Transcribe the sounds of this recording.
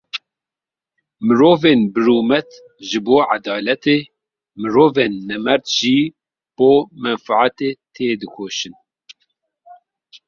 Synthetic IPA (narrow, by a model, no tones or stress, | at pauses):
mɨɾoːveːnbɨɾuːmɛt̪ | ʒɨboːʕad̪ɑːlɛt̪eː | mɨɾoːveːnːɛmɛɾt̪ʒ̥iː | b̥oːmɛnfaʕat̪eːt̪ʰeːd̪ɨkʰoːʃɨn